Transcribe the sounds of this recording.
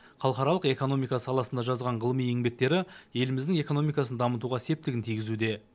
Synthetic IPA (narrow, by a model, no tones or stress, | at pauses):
χʰɑlˠχɑɾɑlˠəqe̞ko̞no̞mijkɑsɑlˠɑsənd̪ɑʒɑzʁɑɴʁəlˠəmije̞ŋbe̞k̚t̪e̞ɾɪje̞lɪmɪzd̪ɪŋe̞ko̞nomijkɑsənd̪ɑmət̪uʁɑse̞p̚t̪ɪɡʲɪnt̪ʰijɡʲɪzud̪e̞